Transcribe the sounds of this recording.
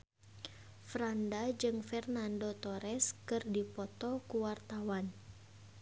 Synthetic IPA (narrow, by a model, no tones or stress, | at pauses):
fɾandad͡ʒɨŋfɛrnandot̪ɔɾɛskɨrdipɔt̪ɔkuwart̪awan